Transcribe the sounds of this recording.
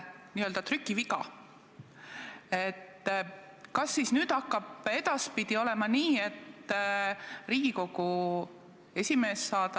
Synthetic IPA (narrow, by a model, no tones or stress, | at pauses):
niøld̪ɑt̪rykːˑivikɑ̰ | et̪ː | kɑsːisnyːd̪̥ɑkˑːɑb̥e̞d̪̥ɑspid̪̥io̞lɛ̞mɑniːe̞t̪ː | riːɡ̥iko̞ɡ̥u | e̞sʲime̞ːsːɑːd̪̥ɑ